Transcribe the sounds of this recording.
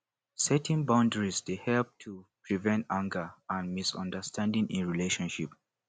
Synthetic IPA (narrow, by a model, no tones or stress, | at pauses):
sɛtĩnbãʊ̃ndəɹizdehɛlp̚tʰupʰɹivɛ̃ntãŋɡəãnmisɔ̰̃ndəstʰãndĩŋʔĩnɹileʃɔ̃nʃḭp